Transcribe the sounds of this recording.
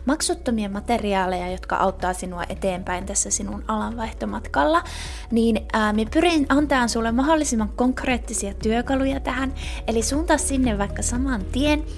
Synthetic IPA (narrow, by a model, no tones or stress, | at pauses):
mɑksut̪ːomiɑmɑt̪eriɑːlejɑjot̪kɑ̰ʔɑut̪ːɑːsinuɑ̰ʔet̪eːmpæint̪æsːæsinunɑlɑʋʋɑiht̪omɑt̪kɑlːɑ | niːnːmiepyrinʔɑnt̪ɑːnsulːemmɑɦolːisimːɑŋkkoŋkreːt̪ːisiɑt̪yøkɑlujɑt̪æhænelisuːnt̪ɑssinːeʋʋɑikːɑsɑmɑnt̪ien